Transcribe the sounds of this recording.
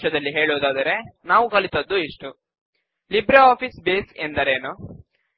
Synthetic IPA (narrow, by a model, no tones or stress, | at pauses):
ʃɐd̪ɐlːiɦe̞ːɭoːd̪aːd̪ɐɾe̞naːʋukɐɭit̪ɐd̪ːuiʂʈu | libɾeaːpʰisbeːsend̪ɐɾeːnu